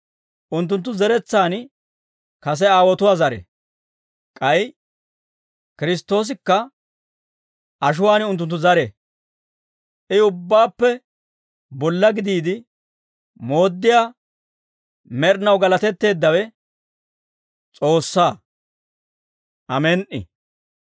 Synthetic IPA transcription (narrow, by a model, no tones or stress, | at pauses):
ʔʊnt̪ːʊnt̪̬ːʊzɛɾɛt͡sːaːn | kɐs̬ɛaːwɔt̪ʊwaːzɐɾɛ̰ | kʼɐj | kɪɾɪs̬t̪ːo̞ːs̬ɪkːɐ | ʔɐʃ̬ʊwaːnʊnt̪ːʊnt̪ːʊzɐɾɛ | ɪʊbːaːpːɛ | bɔlːɐɡɪd̪iːd̪ɪ | mo̞ːd̪ːɪjaː | mɛɾnɐwɡɐlɐt̪ɛt̪ːe̞ːd̪ːɐwɛ | t͡sʼo̞ːsːaː | ʔɐmɛnʔɪ̰